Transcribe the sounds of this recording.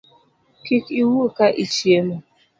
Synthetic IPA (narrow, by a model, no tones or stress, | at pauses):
kikiwokaʔit͡ʃiemo